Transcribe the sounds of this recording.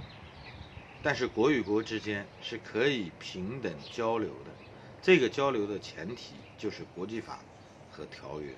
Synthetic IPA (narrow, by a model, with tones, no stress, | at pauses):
t̪a˥˧nʂ̬ɻ̩˥˩kwɔ˧˥y˨˩kwɔ˧˥ʈ͡ʂɻ̩˥t͡ɕjɛ˥n | ʂɻ̩˥˩kʰɤ˧˥i˨˩pʰi˧˥ŋt̪ə˨˩ŋt͡ɕjɑ˥ʊljo˧˥ʊd̪ə˧ | ʈ͡ʂɤ˥˩ɡə˩t͡ɕjɑ˥ʊljo˧˥ʊd̪ə˧t͡ɕʰjɛ˧˥nt̪ʰḭ˨˩t͡ɕjo˥˧ʊʂɻ̩˥˩kwɔ˧˥t͡ɕi˥˩fa̰˨˩˦ | xɤ˧˥t̪ʰjɑ˧˥ʊɥɛ̰˥˧˩